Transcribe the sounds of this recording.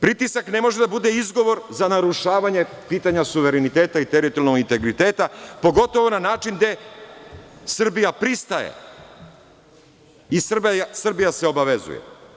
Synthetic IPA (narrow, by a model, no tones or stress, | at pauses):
pɾit̪isakne̞mo̞ʒed̪abud̪e̞izɡo̞ʋo̞ɾzanaɾuʃaːʋaɲe̞piːt̪aɲasuʋe̞ɾenit̪e̞ːt̪ait̪eɾit̪olnoɡint̪e̞ɡɾit̪e̞ːt̪apo̞ɡo̞t̪o̞ʋo̞nanaːt͡ʃind̪e̞ | sr̩bijapɾist̪ajḛ | isr̩bsr̩bijase̞o̞baʋe̞zṵjḛ